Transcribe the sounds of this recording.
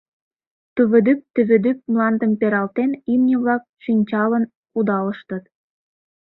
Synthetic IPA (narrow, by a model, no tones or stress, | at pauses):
t̪yβɘ̆d̪yp̚t̪yβø̆d̪yp̚mlɑnd̪əmpeɾɑlt̪enimnʲə̆βlɑk̚ʃinʲt͡ɕɑlən | kud̪ɑləʃt̪ət̪̚